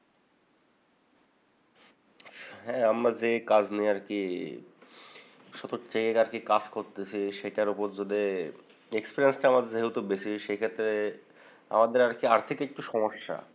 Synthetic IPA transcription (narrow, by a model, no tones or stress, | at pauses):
ɦɛamɾad͡ʑekad͡ʑnijaɾki | ʃɔt̪otʰekeaɾkikad͡ʑkoɾt̪et͡ɕʰiʃeʈaɾupoɾd͡ʑod̪e | ekspiɾiensʈaamad̪eɾd͡ʑɦewt̪obet͡ɕʰiʃejkʰet̪ːɾe | a̰mad̪eɾaɾkiaɾt̪ʰikek̚ʈuʃɔmoʃːa̰